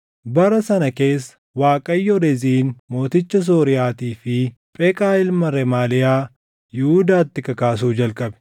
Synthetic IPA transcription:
bɐɾɐsɐnɐke̞ːsːɐ̥ | waːkʼɐjːɔɾɛziːnmo̞ːt̪ɪt͡ʃːɐs̬oːɾɪjaːt̪iːfɪ | pʼɛkʼaːɪlmɐɾɛmaːlɪjaː | jɪhud̪aːt̪ːɪkɐkaːs̬uːd͡ʒɐlkʼɐbɛ̥

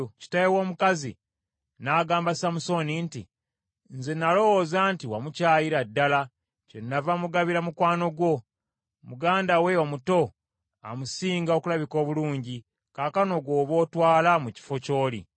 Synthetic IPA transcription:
ci̥tajewo̞ːmukazḭ | naːɡaːmbasamuso̞nintḭ | nze̞nalo̞wozaːntiwamucaːjiɾadːala | cenːavamuɡaβiɾamukwaːno̞ɡwo̞ | muɡaːndawe̞omuto̞ | a̰musiːŋɡaokulaβiko̞ːβuluːɲɟi | kaːkano̞ɡwo̞ːβo̞ːtwaːlamuci̥fo̞co̞ːlḭ

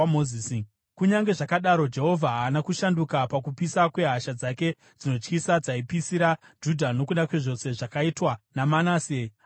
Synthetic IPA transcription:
moziːsi | kuɲaŋɡe̞ʐakaɗaɾo̞d͡ʒe̞ɦo̞vʱaɦaːnakuʃandukapakupisakwe̞ɦaʃad͡zake̞ | d͡zino̞t͡ʃkisad͡zaipisiɾad͡ʒudʱano̞kuɗakwe̞ʐo̞se̞ʐakaitwanamanaːse

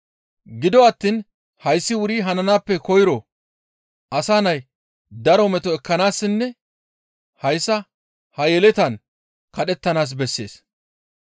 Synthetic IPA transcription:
ɡɪd̪ɔɐt̪ːin | hɐjsːɪwʊɾiːɦɐnɐnaːpːɛkɔjɾɔ | ɐsaːnɐj | d̪ɐɾɔmɛt̪ɔɛkːɐnaːsːɪnːɛ | hɐjsːɐ | hɐjɛlɛt̪ɐn | kɐɗɛt̪ːɐnaːs̬bɛsːe̞̰ːs

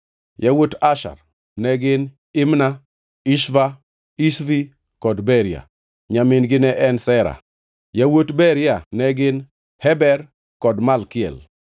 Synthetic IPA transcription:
jawotaʃa̰ɾ | nɛɡɪn | ɪmna | iʃva | isvi | kɔdbɛɾja̰ | ɲamɪnɡɪnɛʔɛnsɛɾa̰ | jawotbɛɾjanɛɡɪn | hɛbɛɾ | kɔdmalkɪɛ̰l

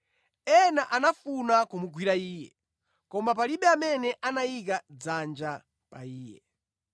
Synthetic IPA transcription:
ɛnaʔanafunakumuɡwiɾaiːjɛ̰ | kɔmapaliɓɛamɛnɛʔanaik̬ad͡zand͡ʒa | pa̰iːjɛ̰

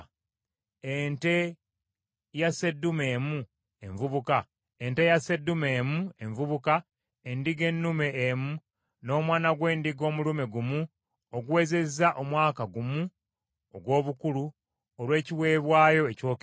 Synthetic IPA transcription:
ente̞ | jase̞dːume̞ːmu | e̞ɱvuβuka | e̞nte̞jase̞dːume̞ːmue̞ɱvuβuka | endiɡe̞nːume̞ːmu | no̞ːmwaːnaɡwe̞ːndiɡo̞ːmulume̞ɡumu | oɡuwe̞ːze̞zaʔomwaːkaɡumu | oɡwo̞ːβukulu | olwe̞ːciwe̞ːβwaːjo̞eco̞ːk

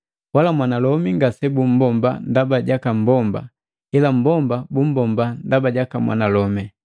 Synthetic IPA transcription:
walamwanalɔmiŋɡasɛbum̩bɔmba̰ndabaɟakam̩bɔmba̰ | ilam̩bɔmbabum̩bɔmbandabaɟakamwa̰nalɔmɛ

